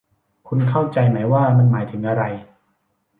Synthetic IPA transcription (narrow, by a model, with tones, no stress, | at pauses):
kʰu˧nkʰa˥˩wt͡ɕa˧jmaː˦˥jwaː˥˩ma˧nmaː˩˦jt̪ʰɯ˩˦ŋʔa˧ɾa˧j